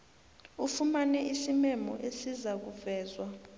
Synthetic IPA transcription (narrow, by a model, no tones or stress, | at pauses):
ufumanɛisimɛmɔ̰ʔesizak̬uvɛːzwa